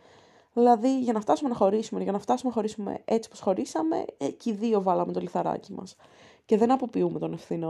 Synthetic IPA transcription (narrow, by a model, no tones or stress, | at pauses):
ðilɐðiʝɐnɐft̪ɐsume̞nɐxo̞ɾisumeʝɐnɐft̪ɐsumeɐxo̞ɾisume̞̰ʔe̞t͡si̥po̞sxo̞ɾisɐme̞̰ciðio̞vɐlɐmet̪o̞liθɐɾɐ̰cimɐ̰s | ce̞ðenɐpo̞piume̞t̪one̞fθino